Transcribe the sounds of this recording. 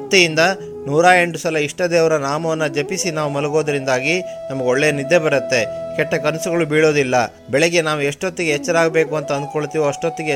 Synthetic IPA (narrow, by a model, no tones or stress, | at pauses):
ɐt̪ːijind̪ɐ | nuːɾaːje̞ɳʈusɐlɐiʂʈɐd̪eːʋɐɾɐnaːmɐʋɐnːɐd͡ʒepisinaːʋumɐlɐɡo̞ːd̪ɐɾind̪aːɡi | nɐmɐɡeɔɭːejɐnid̪ːebɐɾɐt̪ːe̞kɛʈːɐkɐnsuɡɐɭubiːɭo̞ːd̪ilːɐ̰ | bɛɭɛɡːenaːʋueʂʈot̪ːiɡeɦɛt͡ʃːɐɾaːɡɐbe̞ːkuɐnt̪ɐɐnd̪ukoɭt̪iːʋuɐʂʈot̪ːiɡe